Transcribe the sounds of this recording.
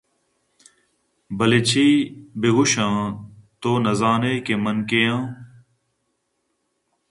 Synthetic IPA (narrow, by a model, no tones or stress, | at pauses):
bəlet͡ɕʰiːbɪɣʊʃãːt̪oːnɐzaːneːkemənkejãː